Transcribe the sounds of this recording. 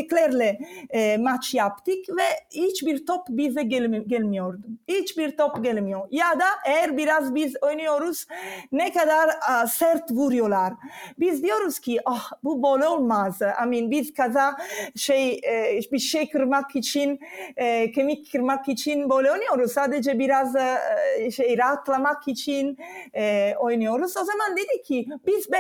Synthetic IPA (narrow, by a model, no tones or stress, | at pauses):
eklɛɾle | mat͡ʃjapt̪ikvɛit͡ʃbiɾt̪ɔpːbizeɡɡɛlmjɔɾd̪it͡ʃbiɾt̪ɔpɡɛlmjojad̪aʔɛɾbiɾazbizɔjniɔɾusnɛkad̪aɾsɛɾt̪vuɾjolaɾbizd̪iɔɾuskiʔahbuboleolmaza̰minbizkazaʃɛjbisʃekɾmakːit͡ʃin | kemikʰːiɾmakːit͡ʃinboleonioɾusad̪ed͡ʒebiɾaz | ʃɛjɾat̪lamakʰːit͡ʃin | ojnioɾusozamand̪id̪ikʰːibizbɛ